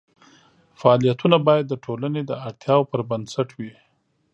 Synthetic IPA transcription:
faɑlijat̪unabɑjad̪ːəʈʰolaned̪əaɽt̪ʰjɑwpəɾbansaʈwi

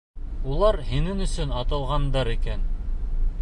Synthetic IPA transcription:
ulˠɑɾhinɘnɵ̆sɵnɑt̪ɤ̆lˠʁɑnd̪ɑɾikæn

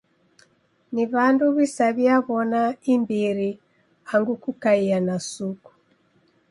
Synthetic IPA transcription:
niβanduβisaβiaβɔnaimbiɾi | haŋɡukukaianasuku̥

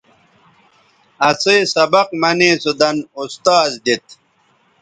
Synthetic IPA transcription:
ɐseːsɐbɐqmɐneːsud̪ɐnust̪aːzd̪it̪̚

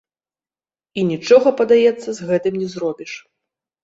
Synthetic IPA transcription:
inʲit͡ʂɔɣɐpɐd̪ajɛt̪sːɐzɣɛt̪ɨmnʲɛzrɔbʲiʂ

